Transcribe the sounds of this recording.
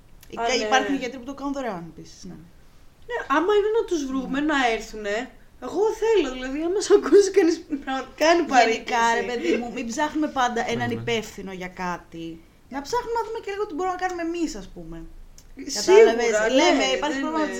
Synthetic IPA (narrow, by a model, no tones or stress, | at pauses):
iɐipɐɾçuniʝe̞t̪eɾiput̪o̞kɐnunðoɾeoɐnepisi̥z̥ne | ne̞ʔɐmɐinenɐt̪uzvɾume̞nɐeɾθune̞ | eɣo̞θe̞loðilɐðiɐnmesɐkusikɐnispɾɐɣmɐt̪ikɐenipɐikɐɾepe̞ðimumibzɐxnume̞pɐnd̪ɐʔenɐnipe̞fθino̞ʝɐkɐt̪i | nɐpzɐxnumenɐðume̞celiɣoot̪ibo̞ɾumnɐkɐnume̞misɐspume̞ | ɐɐvezlemeipɐɾççpomɐ